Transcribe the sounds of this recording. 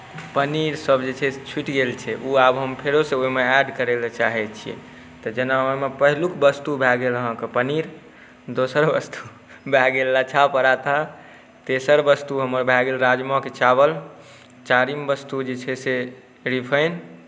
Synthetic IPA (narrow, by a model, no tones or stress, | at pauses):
pəniɾsəbd͡ʒet͡ʃʰɛt͡ʃʰiʈɡelt͡ʃʰɛʔuabɦəmpʰeɾoseoimeɛɖkəɾelt͡ʃaɦɛt̪t͡ʃʰijḛ | t̪ɔd͡ʒenamepəɦilukbəst̪ubʱɛɡeləɦãkepəniɾ | d̪osəɾbəst̪u | bʱɛɡelːat͡ʃʰapəɾat̪a | t̪esəɾbəst̪uɦəməɾbʱɛɡelɾad͡ʒmɔket͡ʃabəl | t͡ʃaɾimbəst̪ud͡ʒet͡ʃʰɛse | ɾipʰəjn